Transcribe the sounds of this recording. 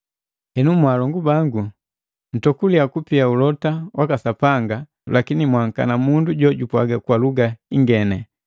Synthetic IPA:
hɛnumwaːlɔŋɡubaŋɡu | n̩tɔkuliakupiaulɔtawʔakasapaŋɡa | lakinimwaŋ̩ka̰namunduɟɔɟupwaɡakwaluɡaiŋɡɛnɛ

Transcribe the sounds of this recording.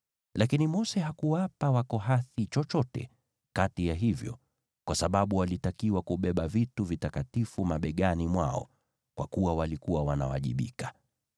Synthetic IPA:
lʔakinimɔsɛɦakuwapawakɔɦaθit͡ʃɔt͡ʃɔtɛ̰ | katijaɦivjɔ̰ | kwasaɓaɓuwalitakiwakuɓɛɓavituvitakatifumaɓɛɠanimwaɔ̰ | kwa̰kuwawalikuwawana̰wa̰ʄḭɓḭkḁ

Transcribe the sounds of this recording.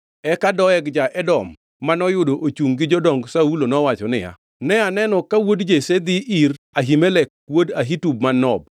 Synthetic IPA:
ɛkadɔɛɡd͡ʒaʔɛdɔmː | anɔjʊdoʔot͡ʃuŋɡɪd͡ʒɔdɔŋɡsaulonɔwat͡ʃɔnɪja̰ | nɛanɛnɔkawodd͡ʒesed̪iʔiɾ | aɦimelɛkwodaɦitub̚manɔb̚

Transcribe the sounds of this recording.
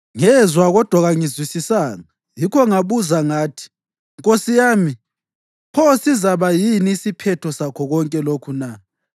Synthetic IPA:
ŋɛzwaɣɔd̥ʱwaɣaŋizwisisaːŋa | jikʰɔŋaβuzaŋaːtʰi̥ | ŋkʼosijaːmi | pʰɔsizaβajiniːsipʰɛtʰɔsakʰɔɣɔŋkʼɛlokʰuna

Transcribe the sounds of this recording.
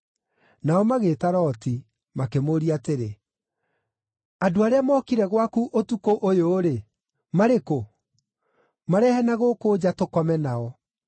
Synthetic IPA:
naɔmaɣeːtaɾɔːti | makemoɾiateɾe | adoaɾeamɔːkiɾɛɣwakuʔotukoʔojoːɾe | maɾeko | maɾɛhɛnaɣoːkoːd͡ʒatokɔmɛnaɔ

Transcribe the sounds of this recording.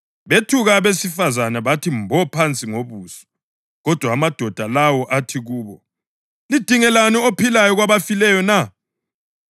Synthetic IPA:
βetʰuɣaβesifazanaβatʰimbʱɔpʰant͡sʼiŋoβuːsɔ̥ | ɣɔd̥ʱwaːmad̥ʱɔd̥ʱalawɔʔatʰiɣuːβɔ | lid̥ʱiŋɛlaniopʰilajɔɣwaβafilɛjɔna

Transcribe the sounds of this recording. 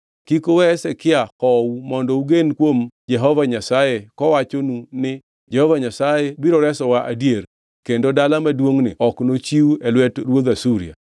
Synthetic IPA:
kikowɛsɛkɪakɔwumɔndɔuɡenkwomd͡ʒɛɦɔvaɲasajekɔwat͡ʃonunɪ | d͡ʒɛhɔvaɲasajebiɾoɾɛsɔwaʔadjer | kendodalamadwoŋnɪ̰ɔknot͡ʃiuɛlwɛtɾwod̪asuɾḭa̰

